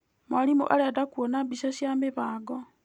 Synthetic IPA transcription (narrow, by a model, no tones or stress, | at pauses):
mwalimṵʔaledakuonabisasjamiβaːɡo